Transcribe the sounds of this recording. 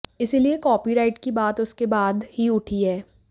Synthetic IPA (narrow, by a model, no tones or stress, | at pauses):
ɪsiliekɔːpiɾaːɪʈkibaːt̪ʊskebaːd̪hiʊʈʰiɦɛː